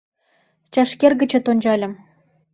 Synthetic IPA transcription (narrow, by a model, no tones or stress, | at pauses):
t͡ɕɑʃkʲerɡɘ̆t͡ɕɘ̆t̪onʲd͡ʑɑlʲɤ̆m